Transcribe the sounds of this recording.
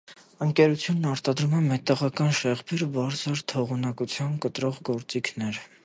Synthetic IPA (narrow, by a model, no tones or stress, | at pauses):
əŋkɛɾut͡sʰjunːɑɾt̪ɑd̪ɾumɛmɛt̪ɑʁɑkɑnʃɛʁbiɾbɑɾt͡sɑɾt̪ʰɔʁunɑkut͡sʰjɑnkət̪ɾɔʁɡɔɾt͡sikʰnɛɾ